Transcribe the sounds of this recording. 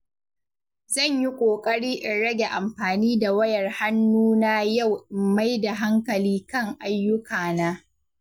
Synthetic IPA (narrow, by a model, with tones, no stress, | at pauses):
zɐ˦˨ɲji˦kʷʼoː˨kʼɐ˦ɽiː˦ʔɪ˨nɽɐ˦ɡʲe˨ʔa˨mɸaː˨niː˦da˨wɐ˦jɐ˨rha˦nːuː˦na˦ja˦˨wʔɪ˨mːa˦jda˨ɦa˦ŋkɐ˨liː˦kɐ˦˨ŋʔa˦jːʊ˦kʰaː˨naː˦